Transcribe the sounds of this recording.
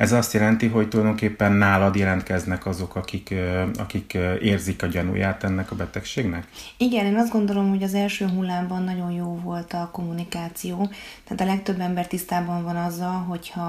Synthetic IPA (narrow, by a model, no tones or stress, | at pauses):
ɛzɒst̪jɛlɛnt̪iɦo̞ct̪ulɒjd̪o̞ŋkeːpːɛnːaːlɒd̪jɛlɛnt̪kɛznɛkɒzo̞kɒkikɒ̰kikeːrzikɒɟɒnṵjaːt̪ɛnːɛkɒbɛt̪ɛkʃeːɡnɛkiɡɛneːnɒzd̪ɡo̞nd̪o̞lo̞mho̞ɟɒzɛlʃøːɦulːaːbɒnːɒɟo̞njoːvo̞lt̪ɒko̞mːunikaːt̪sijoːtt̪aːt̪ɒlɛkt̪øbːɛmbɛrt̪ist̪aːbɒɱvɒnɒzːɒlɦo̞chɒ